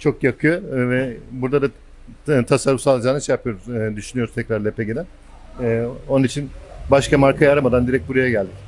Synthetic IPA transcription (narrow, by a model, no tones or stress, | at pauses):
t͡ʃʰo̞kjakʰɯjovɛbuɾd̪ad̪a | t̪ʰasaɾufsalˠad͡ʒaːnɯiʃɛjapʰɯjo̞ɾuzd̪yʃynyoɾuz̥t̪ʰɛcʲɾaɾlʲepʰeɟid̪ɛ | o̞nunit͡ʃʰinbaʃkamaɾkʰajaɾamad̪and̪iɾɛc̚buɾajaɟælʲd̪ɪ